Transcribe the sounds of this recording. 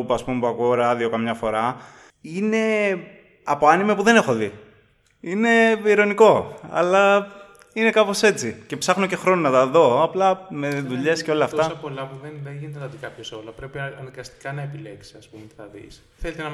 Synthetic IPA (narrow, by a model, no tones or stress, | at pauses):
puɐspumepɐkuoɾɐɐðio̞kɐmɲɐfo̞ɾɐ | ine̞ | ɐpo̞ɐnimepuðe̞ne̞xo̞ði | ine̞iɾo̞niko̞ɐ̰lɐ | ine̞kɐpo̞se̞t͡sice̞psɐxno̞ce̞xɾo̞nonɐt̪ɐðo̞ɐplɐme̞ðuʎe̞sceo̞lɐːftt̪ɐsɐpo̞lɐpuðenðeʝinet̪t̪ɐðikɐpçosolɐpɾe̞piɐnɐɡɐst̪i̥kɐnɐepile̞ksi̥ɐspumeθɐðḭs | θelet̪eɐ